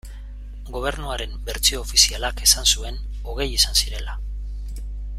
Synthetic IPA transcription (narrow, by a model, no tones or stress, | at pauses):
ɡo̞β̞e̞ɾnuaɾe̞mbe̞ɾt͡sio̞ːfisialake̞sansue̞n | o̞ɣ̞e̞jisansiɾe̞la